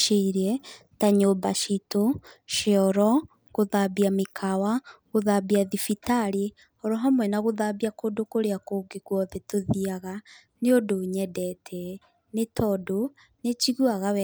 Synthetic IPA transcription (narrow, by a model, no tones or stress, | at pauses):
ʃeiɾɛtaɲobaʃitoʃeɔɾɔ | ɣoðabiamekʰawaɣoðabiaðifitaɾe | ɔɾɔɦamwɛnaɣoðabiakodokoɾeakoɡeɣwɔðetoðiaɣa | neodoɲɛdɛtʰɛ | netʰɔdo | net͡ʃiɣwaɣawɛ